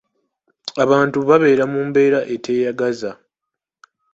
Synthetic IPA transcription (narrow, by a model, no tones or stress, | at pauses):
aβaːntuβaβe̞ːɾamuːmbe̞ːɾaʔe̞tʰe̞ːjaɡaza